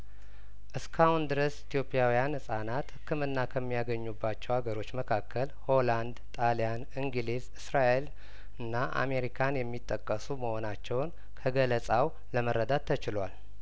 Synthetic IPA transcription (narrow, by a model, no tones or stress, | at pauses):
ʔɨskʰahund̪ɨɾəsit̪ʰjo̞pʼjawijanhɨsʼanat̪hɨkːɨmɨnːakʰəmːijaɡəɲːubːat͡ʃːɛwaɡəɾo̞t͡ʃːməkʰakʰːəlho̞land̪t̪ʼalijan | ɨŋɡɨlizɨsɾaʔel | ɨnːaʔa̰me̞ɾikʰanjɛmːit̪ʼːəkʼːəsuməho̞nat͡ʃːɛwn | kʰəɡələsʼaw | ləməɾəd̪at̪ʰːət͡ʃɪlwal